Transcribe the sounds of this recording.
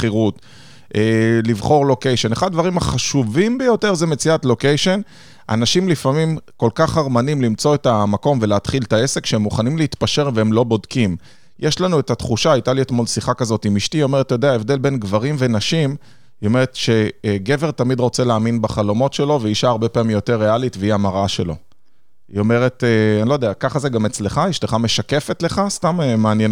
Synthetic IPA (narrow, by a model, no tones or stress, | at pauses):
bχiʁut | ʔelivχo̞ʁlo̞kejʃe̞neχad̪d̪vaʁimaχaʃuvimbejo̞te̞ʁzeme̞t͡siatlo̞kejʃe̞n | a̰naʃimlifamimko̞lkaχaʁmanimlimt͡so̞etamako̞mve̞leːt̪χiltaese̞kʃeemːuχanimleit̪paʃe̞ʁveemlo̞bo̞dkim | jeʃlanuetatχuʃaajt̪alietmo̞lsiχakazotimiʃt̪io̞meʁetjod̪eaevde̞lbe̞nɡvaʁimve̞naʃim | io̞me̞ʁet̪ʃe̞ɡe̞ve̞ʁt̪amid̪ʁo̞t͡se̞leaːminbaχalo̞mo̞tʃe̞lo̞veiʃaːʁbe̞paamimjo̞te̞ʁːealitveiamaʁʔaʃe̞lo̞̰ | ḭo̞me̞ʁe̞t̪eanilojd̪eakaχazeɡame̞t͡sle̞χajeʃle̞χame̞ʃake̞fe̞tle̞χast̪amemaːnjen